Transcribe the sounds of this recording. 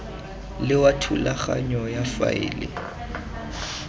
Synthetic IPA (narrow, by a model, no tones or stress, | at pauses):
lɪwatʰulaχaɲɔjafa̰ɪːlɪ